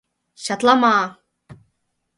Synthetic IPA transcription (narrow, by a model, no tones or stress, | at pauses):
ɕɑt̪lˠɑmɑː